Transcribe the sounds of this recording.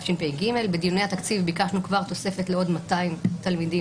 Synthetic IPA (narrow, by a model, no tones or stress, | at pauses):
fʃinpejɡime̞lbed̪ijunehat̪akt͡sivbikaʃnukvaʁt̪o̞se̞fetleo̞d̪mat̪aimt̪almidi